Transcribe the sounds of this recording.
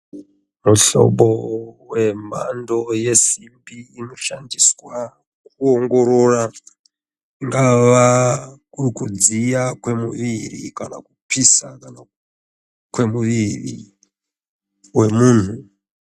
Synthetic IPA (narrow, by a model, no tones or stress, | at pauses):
muɬo̞̰ɓowe̞ma̰ndo̞je̞simbiːno̞ʃandiswa | k̚uoŋɡo̞ɾora | iŋɡaʋakukud͡zijakwe̞muʋirḭkana̰kupisakana | kwe̞muʋirḭ | we̞muːn̤u